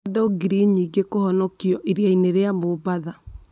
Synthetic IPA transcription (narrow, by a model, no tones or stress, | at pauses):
dɔɡiɾiɲiɡekohɔnɔkiɔʔeɾjaineɾeamobaða